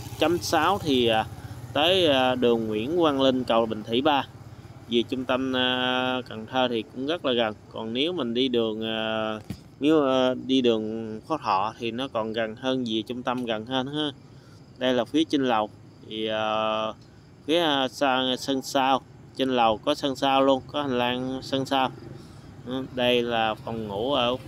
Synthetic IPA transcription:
t͡ɕa˨˧˦msaː˨˦wt̪ʰi˨˩ʔa˨˩t̪əː˨˦jaː˨˩ɗɨ˨˩əŋːwḭ˧˥ənkwaː˧nli˧n̟kə˨˩wɓï˧˨˩ŋ̟t̪ʰi˧˩ɓaː˧zi˨˩ət͡ɕʊ˧ŋ͡mt̪ə˧mː˧˩ka˨˩ŋt̪ʰəː˧t̪ʰi˨˩kʊ̰˧˥ŋ͡mɣə˦˥t̚laː˨˩ɣə˨˩nkɔ˨˩nne˨˦wmï˨˩ŋ̟ɗi˧ɗɨ˨˩əŋʔaː˨˩ | ne˨˦waː˧ɗi˧ɗɨ˨˩əŋfɔ˨˦t̪ʰɔ̰˧˨t̪ʰi˨˩nɔ˨˦kɔ˨˩nɣa˨˩nɦəː˧nzi˨˩t͡ɕʊ˧ŋ͡mt̪ə˧mɣə˨˩nhəː˧nhaː˧ | ɗə˧jlaː˨˩fi˨˦ət͡ɕə˧nlə˨˩w | t̪ʰi˨˩ʔəː˨˩ | fi˨˦ə˧saː˧sə˧nsaː˧w | t͡ɕe˧nlə˨˩wkɔ˨˦sə˧nsaː˧wlu˧ənkɔ˨˦ha˨˩ŋ̟laː˧ŋsə˧nsaː˧w | ɗə˧jlaː˨˩fɔ˨˩wŋṵ˧˩˥ʔəː˧˩

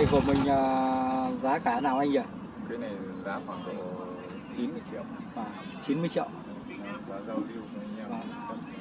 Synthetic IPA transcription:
a˧jku˧˩əmï˨˩ŋ̟ʔəː˨˩ | zaː˨˦kaː˨˦naː˨˩wʔa˧ŋ̟ə˧˨˩ | kaː˨˦jna˨˩jza̰ː˧˦xwaː˧˩ŋɗo̰˧˨ | t͡ɕi˨˦nmɨ˧əjt͡ɕḭ˧˨ə˨wvaː˨˩ | t͡ɕi˨˦nmɨ˧jt͡ɕḭ˧əw | ɓaː˨˦zə˧˩wɗi˧u˧˩˨a˨˧˩ŋə˧aː˨˩m˨˩ə˧˩˨

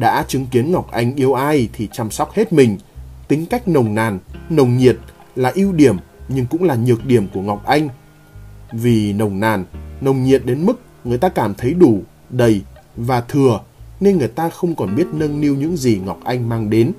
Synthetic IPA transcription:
ɗa̰ː˧˥t͡ɕɨ˨˦ŋki˨˦ənŋa˨˩wk͡p̚ʔa˧jŋ̟ʔi˧əwʔaː˧jt̪ʰi˨˩t͡ɕa˧msɔ˦˥wk͡p̚he˦˥t̚mï˨˩ŋ̟t̪ï˨˦ŋ̟ka˦˥jk̟̚nə˨˩wŋ͡mnaː˨˩nnə˨˩wŋ͡mɲi˨˩ət̚ | laː˨˩ʔi˧wɗi˧˩əmɲɨ˧ŋkʊ̰˧˥ŋ͡mŋlaː˨˩ɲɨ˨˩ək̚ɗi˧˩əmku˧˩əŋa˨˩wk͡p̚ʔa˧jŋ̟ | vi˨˩nə˨˩wŋ͡mnaː˨˩nːə˨˩wŋ͡mɲi˨˩ət̚ɗe˨˦nmɨ˦˥k̚ | ŋɨ˨˩əjt̪aː˧kaː˧˩mt̪ʰə˨˦jɗu˧˩ | ɗə˨˩jvaː˨˩t̪ʰɨ˨˩əne˧nŋɨ˨˩əjt̪aː˧xə˧wŋ͡mkɔ˨˩nɓi˦˥ət̚nə˧nni˧əwɲɨ̰˧˥ŋzi˨˩ŋa˨˩wk͡p̚ʔa˧jŋ̟maː˧ŋɗe˨˦n

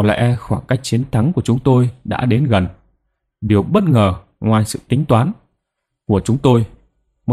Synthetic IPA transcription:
lɛ̰˧˥xwaː˧˩ŋkaː˦˥jk̚t͡ɕi˨˦ənt̪ʰa˨˦ŋku˧˩ət͡ɕʊ˨˦ŋ͡mt̪o˧jɗa̰ː˧˥ɗe˨˦nɣə˨˩n | ɗi˨˩əwɓə˦˥t̚ŋəː˨˩ | ŋwaː˨˩jsɨ̰˧˨t̪ï˨˦ŋ̟t̪waː˨˦n | ku˧˩ət͡ɕʊ˨˦ŋ͡mt̪o˧j | m˨

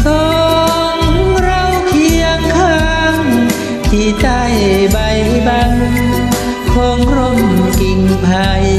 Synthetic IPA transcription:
sɔː˧ | ŋɾa˧˥wkʰi˧əŋkʰaː˧ŋ | t̪ʰi˧˩t̪a˧˩jba˧jba˧ŋ | kʰoː˧ŋɾo˧˩ŋki˧ŋpʰa˧j

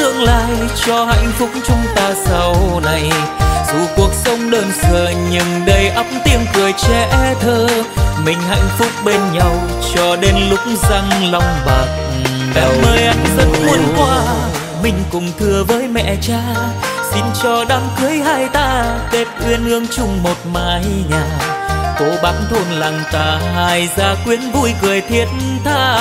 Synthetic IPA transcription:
t̪ɨ˧əŋla̰aː˧˨jt͡ɕɔ˧ha̰˧˨jŋ̟fʊ˦˥k͡p̚t͡ɕʊ˧ŋ͡mt̪aː˧sa˧˩wna˨˩jzu˧˩ku˨˩ək̚sə˧wŋ͡mɗəː˧nsə˨˩ɲɨ˨˩ŋɗə˧˩jʔə˦˥p̚m̚t̪i˧əŋkɨ˨˩əjt͡ɕɛ˧˩ʔt̪ʰəː˧mï˨˩ŋ̟ha̰˧˨jŋ̟fʊ˦˥k͡p̚ɓe˧nɲa˧w | t͡ɕɔ˧ɗe˧nlʊ˨˦˥k͡p̚ŋ͡mza˧ŋla˧wŋ͡mɓa˨˩k̚ | ɓɛ̰˨˩˦wməː˧jʔa˧˩jŋ̟zə̰˧˥nmu˧ənkwaː˧ | mï˨˩ŋ̟kʊ˨˩ŋ͡mt̪ʰɨ˧˩əvəː˨˦jmɛ̰˧˨t͡ɕaː˧˦ | si˧nt͡ɕɔ˧ɗaː˧mkɨ˨˦əjɦaː˧jt̪aː˧ke˦˥t̚ʔwi˧ənʔɨ˧əŋt͡ɕʊ˧ŋ͡mmo˨˩t̚maː˨˩hi˧ɲaː˨˩ko˨˦ɓa˨˦nt̪ʰo˧nlaː˨˩ŋt̪aː˨˩ɦaː˧˩jzaː˧˩kwi˧˥ənvu˧jkɨ˨˩əjt̪ʰi˧˩ət̚nt̪ʰaː˧

